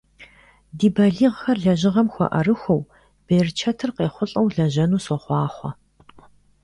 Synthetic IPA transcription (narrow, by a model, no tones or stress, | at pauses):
diːbɐɮiːʁxɐrɮɐʑɪʁɐmxʷɔ̰ʔɐ̰rɨxʷɔw | b̥eːrt͡ʃʰɐtʰɨrqeːχʷʊɬʼɐwɮɐʒɐnuːswɔχʷɑːχʷɔ